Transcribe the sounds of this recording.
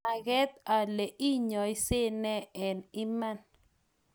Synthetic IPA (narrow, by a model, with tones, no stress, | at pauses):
a˨ɡɛ˦t̪̚a˨le˨ʔi˦ɲɔ˨i˦se˦nɛ˦ɛ˨ni˦ma˦˨n